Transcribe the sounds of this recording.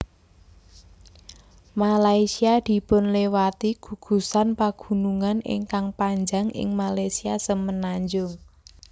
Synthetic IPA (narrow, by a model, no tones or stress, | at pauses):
malaisiad̪̥i̤pʊnlewat̪iɡ̥ṳɡ̥ṳsanpaɡ̥ṳnuŋanɪ̰ŋkaŋpaɲd͡ʒaŋʔɪ̰ŋmalajsiasəmənaɲd͡ʒʊŋ